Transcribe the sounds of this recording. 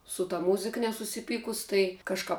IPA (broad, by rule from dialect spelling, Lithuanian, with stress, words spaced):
sʊ tɐ ˈmuːzʲɪk nʲɛsʊsʲɪˈpʲiːkʊs ˈtɐɪ kɐʃˈkɐp